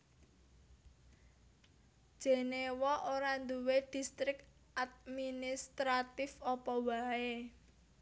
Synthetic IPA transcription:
d̥ʒ̥e̤newɔʔoɾand̪uwed̪̥i̤st̪ɾɪk | ad̪̚minist̪ɾat̪ɪfɔpɔwae

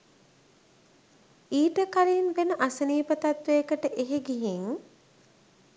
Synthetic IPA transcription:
iːʈəkaɾinʋenəʔasəniːpət̪at̪ʋejəkəʈəʔeɦeɡiɦiŋ

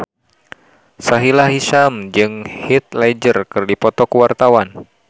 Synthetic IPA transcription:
saɦilaɦisamd͡ʒɨŋhit̪̚lad͡ʒərkɨrdipɔt̪ɔkuwart̪awan

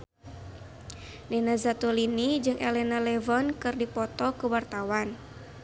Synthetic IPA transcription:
linazat̪ulinid͡ʒɨŋʔɛlɛnalɛvɔnkɨrdipɔt̪ɔkuwart̪awan

